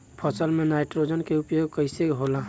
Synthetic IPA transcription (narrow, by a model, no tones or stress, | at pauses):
pʰəsəlmẽnaɪʈɾod͡ʒənkeupjoɡkəɪseɦola